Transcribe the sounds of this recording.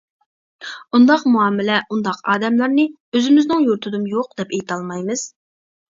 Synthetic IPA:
und̪ɑqmuɑːmɪlɛʔund̪ɑqɑːd̪ɛmlˠɑɾnɨ | øzɪmɪznɨŋjuɾt̪ʰɨd̪ɨmjoq̚d̪ɛpejt̪ʰɑlˠmɑjmɨz̥

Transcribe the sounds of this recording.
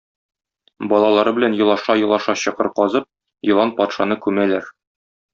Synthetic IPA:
bɒlˠɑlˠɑɾɤbɘ̆lænjɤ̆lˠɑʃɑjɤ̆lˠɑʃɑɕɤ̆qɤ̰ɾqɒzɤp̚ | jɤ̆lˠɑnpɒt̪ʃɑnɤkʉmælæɾ

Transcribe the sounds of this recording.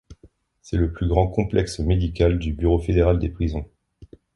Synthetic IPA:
sɛləplyɡʁɑ̃kɔ̃plɛksmed̪ikald̪ybyʁofed̪eʁald̪epχizɔ̃

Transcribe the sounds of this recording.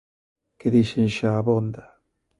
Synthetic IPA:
keðiʃenʃaːβond̪a

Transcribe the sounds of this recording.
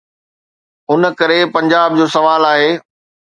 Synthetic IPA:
ɦʊnə̆kɐɾepɐ̃ɲd͡ʑaːbd͡ʑoːsɐʋaːlaːɦeː

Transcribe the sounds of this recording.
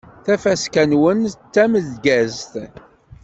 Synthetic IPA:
θæfæskænwənt͡sːæməðɡæzt̪

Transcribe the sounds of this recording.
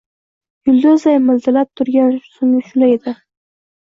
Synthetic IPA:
j̥ʊld̪ʏzajmɪlzɪlap̚t̪ʰʊɾɡʲansʊnɪʃʊlajd̪ɪ

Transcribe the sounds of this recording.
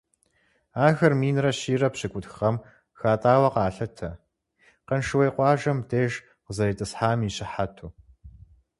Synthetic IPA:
aːɣɐrmiːnrɐɕiːrɐpɕɨkʷʼʊtxɐm | xaːtʼaːwɐqaːɬɐtʰɐ | qənʃɨwejqʷɑːʒɐmdeːʒ | qzɐɾiːtʼɨsħaːmiːɕɪħatʰuː

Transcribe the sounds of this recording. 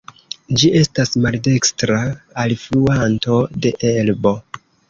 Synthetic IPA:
d͡ʒie̞stasmalde̞kstɾaːlfluanto̞de̞ʔelbo̞

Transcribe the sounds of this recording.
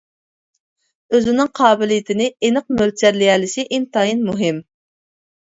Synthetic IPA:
øzɪnɪŋqʰɑːbɪlijit̪ʰɪnɪenɨq̚mølt͡ʃʰɛɾlɪjɛlɪsɪʔɪnt̪ɑːjinmuɦɪm

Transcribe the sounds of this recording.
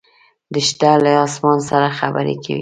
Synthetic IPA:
d̪əʃd̪alaɑsmɑnsaɾaxabə̰ɾḛkʰa̰wḭ

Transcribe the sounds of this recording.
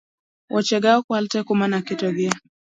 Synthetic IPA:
wʔɔt͡ʃɛɡaɔkwaltɛkumanakitɔɡia

